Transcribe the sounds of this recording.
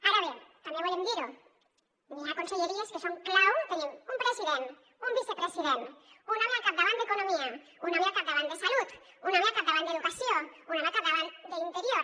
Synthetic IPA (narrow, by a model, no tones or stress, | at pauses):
aɾaβent̪ameβolend̪iɾo | misakonse̞ʎe̞ɾiaskeso̞ŋklawt̪eneŋumpɾe̞siðe̞n | umbise̞pɾe̞siðent̪unãmjakaβðaβand̪eko̞nõmia | unãmeakaβðaβand̪e̞salut̪unãmeakaðaβaneðukasjo̞ŋunãmakaβðaβand̪e̞int̪e̞ɾjo̞ɾ